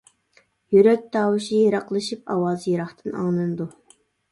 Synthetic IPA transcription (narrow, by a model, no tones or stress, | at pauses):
jyɾɛk̚ʲt̪ɑːwɨʃijeɾɑqlˠɨʃip̚ɑwɑːzjeɾɑχt̪ʰɨnɑ̰ŋlˠɨnd̪u